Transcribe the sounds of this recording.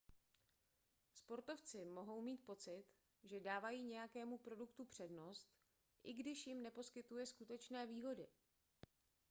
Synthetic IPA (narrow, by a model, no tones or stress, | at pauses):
spo̞ɾt̪o̞ft͡sɪmo̞ɦo̞wmiːt̪̚po̞t͡sɪt̪ | ʒɛdaːvajiːɲɛjakɛːmupɾo̞dukt̪upr̝̥ɛdno̞st̪ | ʔɪɡdɪʃjɪmnɛpo̞skɪt̪ujɛskut̪ɛt͡ʃnɛːviːɦo̞dɪ